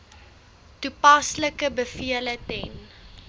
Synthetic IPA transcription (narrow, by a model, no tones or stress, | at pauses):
tupɐsləkəbəfiələtɛn